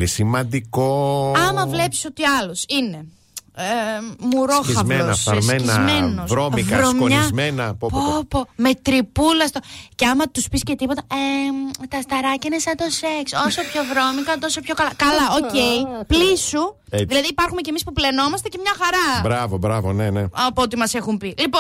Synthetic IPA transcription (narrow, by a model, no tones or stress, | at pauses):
isimɐnd̪ikoɐmɐvle̞psi̥so̞t̪iɐlosine̞ | emuɾoxizɐmenɐfɐɾmeniɐzmenosɾommivkɐɾomkoɲɐmenɐpopome̞t̪ɾipulɐst̪oceɐmɐt̪uspisce̞t̪ipo̞t̪ɐet̪ɐst̪ɐɾɐcɐnesɐt̪o̞seksosopço̞vɾo̞mikɐt̪o̞sopço̞kɐlɐkɐlɐocejiplisu | ðilɐðiːpɐɾxumecemispuple̞no̞mɐst̪ecemɲɐxɐɾɐbɾɐvobɾɐvo̰neneɐpoot̪imɐse̞xumpilipo